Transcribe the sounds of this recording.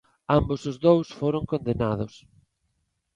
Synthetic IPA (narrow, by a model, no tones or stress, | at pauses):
ambʊsʊzðowsfoɾoŋkõnd̪enaðʊs